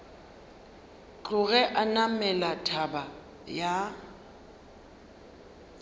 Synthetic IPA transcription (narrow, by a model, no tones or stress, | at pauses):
t͡ɬʼʊɣɛʔanamɛlatʰaba | ja